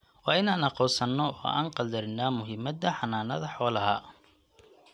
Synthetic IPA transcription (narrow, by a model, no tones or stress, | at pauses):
wɑːɪnaːnɑqɔːsɐnːɔɔ̰ːʔa̰ːnqɑld̪ɐɾɪnaːmʊɦɪmɐd̪ɐħɑnaːnɐðɐħɔːlɐɦɐ̰